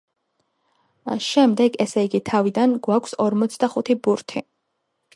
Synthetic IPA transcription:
ʃɛmd̪ɛɡɛsɛiɡit̪ʰavid̪anɡwakʷʰsɔɾmɔt̪sʰd̪aχut̪ʰibuɾt̪ʰi

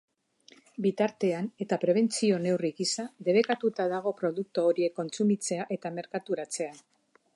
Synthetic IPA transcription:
bit̪aɾt̪e̞ane̞t̪apɾe̞β̞e̞nt͡sio̞ne̞wriɣisad̪e̞βe̞kat̪ut̪aðaɣ̞o̞pɾo̞ðuk̚t̪uoɾie̞kːo̞nt͡sumit͡se̞aʔe̞t̪ame̞ɾkat̪uɾat͡se̞a

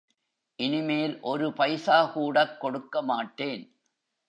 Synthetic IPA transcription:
ʔɪnɪmeːlʔɔɾɯpɐɪsaːkuːɽɐkːɔɽɯkːɐmaːʈːeːn

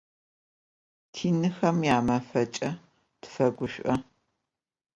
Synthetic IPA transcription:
tʰiːnɨxɐmjaːmɐfɐt͡ʃʼɐ | tfɐɡʷʊʃʷʼʔɐ

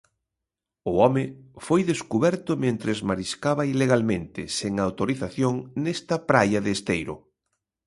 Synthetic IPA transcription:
ʊɔmɪfojðeskuβɛɾt̪ʊmẽnt̪ɾezmaɾiskaβɐileɣalmẽnt̪ɪseŋawt̪oɾiθaθjoŋnɛst̪ɐpɾajɐðeːst̪ejɾʊ̰

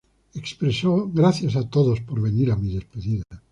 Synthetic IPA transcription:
ekspɾesoɣɾaθjasat̪oðospoɾβe̞niɾamiðe̞speðiða

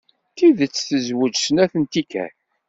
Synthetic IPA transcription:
k̪iðət͡sːθəzwəd͡ʒsənæθənt̪ikæ̰

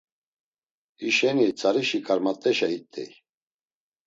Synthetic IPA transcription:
iʃɛnit͡sʼaɾiʃikʼaɾmat̪ʼɛʃait̪ʼɛ̰j

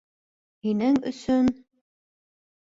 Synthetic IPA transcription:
hinɘŋɵ̰̆sɵn

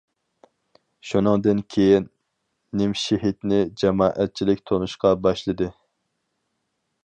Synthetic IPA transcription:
ʃunɨŋd̪ɨnkʲʰejinː | ɪmʃeɦit̪nɪd͡ʒɛmɑːʔæt̪̚t͡ʃʰilɪkʲt̪ʰonuʃqɑbɑʃlˠɨd̪ɨ

